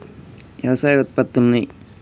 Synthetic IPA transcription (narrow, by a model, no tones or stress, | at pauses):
jɐʋɐsaːjɡɐt̪̚pɐt̪ːonːi